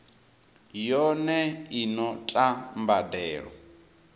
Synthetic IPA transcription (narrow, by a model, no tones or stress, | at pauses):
jɔnɛinɔtʼambadɛːɺɔ̰